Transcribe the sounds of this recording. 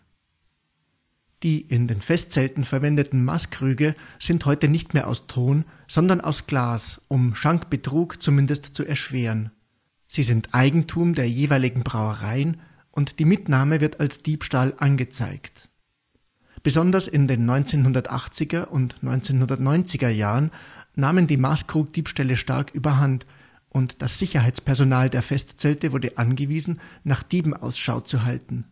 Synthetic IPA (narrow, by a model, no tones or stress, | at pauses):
d̥iːʔɪndeːnfɛstt͡sɛltn̩fɛɐvɛndətn̩ma̰skʁ̥yːɡəz̥ɪnthɔʏtənɪçtmeːɐʔa̰ʊstʰoːnz̥ɔndɐnʔa̰ʊsɡ̥laːsʔʊmʃaŋkb̥ətʁ̥uːkt͡sumɪndəstt͡suʔɛɐʃv̥eːʁən | z̥iːzɪntʔaɪɡŋ̩tʰuːmdeːɐjeːvaɪlɪɡŋ̩bʁaʊəʁaɪən | ʔʊntd̥iːmɪtnaːməvɪɐtalsd̥iːpʃtaːlʔanɡət͡sa̰ɪkt | b̥əzɔndɐsɪndeːnːɔʏnt͡seːnɦʊndɐtʔa̰χt͡sɪɡɐʔʊntnɔʏnt͡seːnhʊndɐtnɔʏnt͡sɪɡɐjaːʁənnaːməndiːmaːskʁ̥uːk̚d̥iːpʃtɛləʃta̰ɐkʔyːbɐɦant | ʔʊntd̥asz̥ɪçɐɦaɪt͡spɛɐzonaːldeːɐfɛstt͡sɛltəvʊɐdəʔanɡəviːzn̩naːχd̥iːbm̩ʔa̰ʊsʃa̰ʊt͡suɦaltn̩